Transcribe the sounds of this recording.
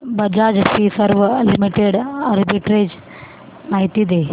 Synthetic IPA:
bɐd͡ʒaːd͡ʒpisɐɾʋəlimiʈeɖɐɾbiʈɾed͡ʒ | maːɦit̪id̪e

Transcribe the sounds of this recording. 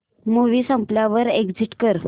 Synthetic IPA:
moʋiːsə̃mpljaʋəɾeɡd͡ziʈkəɾ

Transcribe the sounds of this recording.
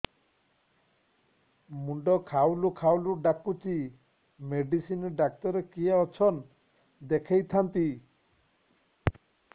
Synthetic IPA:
muɳɖɔkʰawlukʰawluɖakut͡ʃi | meɖisinɖak̚t̪ɔɾekiaɔt͡ʃʰɔn | d̪ekʰejt̪ʰant̪i

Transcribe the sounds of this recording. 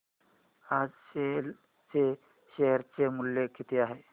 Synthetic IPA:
ad͡zɕel | t͡se | ɕeɦəɾt͡semuljekːit̪ʰeaɦe

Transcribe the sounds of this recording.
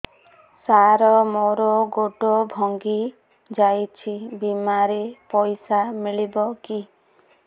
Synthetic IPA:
saɾɔmoɾɔɡoɖɔbʱɔŋɡi | d͡ʒajt͡ʃʰibimaɾepɔjsamiɭibɔki

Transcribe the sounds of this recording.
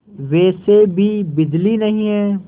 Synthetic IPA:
ʋeːsebʱiːbɪd̪linɐɦĩɦɛː

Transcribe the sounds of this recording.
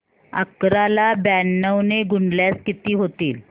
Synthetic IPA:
ə̰kɾalabænːəwneɡuɳljat͡skit̪iːɦot̪iːl

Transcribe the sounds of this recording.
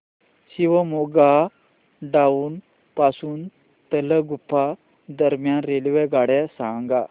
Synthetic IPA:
ɕiʋəmoɡa | ɖauːn | pasuːn | t̪ələɡupʰa | d̪əɾmjanɾelʋeɡaɽɛsaŋɡa

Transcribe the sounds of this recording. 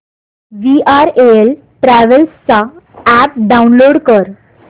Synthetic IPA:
ʋiaɾel | ʈɾaʋəlst͡saæp̚ɖaunloɽkəɾ

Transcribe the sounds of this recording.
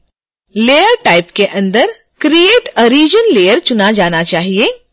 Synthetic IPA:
leːjəɾʈaːɪpkeʔɐ̃nd̪əɾ | kɾieːʈɔɾiːd͡ʒənleːjəɾt͡ʃʊnad͡ʒaːnat͡ʃaːɦieː

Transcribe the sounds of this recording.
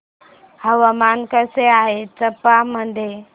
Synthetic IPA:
həʋəmankəseaɦet͡səpːaməd̪ʱje

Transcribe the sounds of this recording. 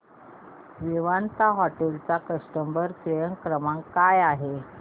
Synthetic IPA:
ʋiʋant̪aɦɔʈelt͡sakəʂʈəmbəɾsʋəjəŋkɾəmaŋkajaɦe

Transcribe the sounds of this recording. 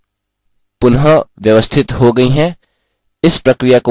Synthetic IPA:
pʊnɦəʋjəʋəst̪ʰɪt̪ɦoɡɐiɦɛ̃ | ɪspɾɐkɾɪjako

